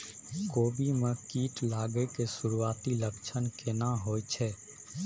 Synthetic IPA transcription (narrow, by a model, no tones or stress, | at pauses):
koːbʱimẽkiːʈlaːɡəkesʊɾuaːt̪iləkt͡ʃʰənkenaɦoːet͡ʃʰɛː